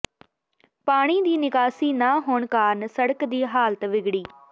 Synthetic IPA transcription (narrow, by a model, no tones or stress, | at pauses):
paːɽ̃iːd̪iːnɪkaːsiːnaːɦoːɳkaːnsəɽəkd̪iːɦaːlət̪ʋɪɡɽiː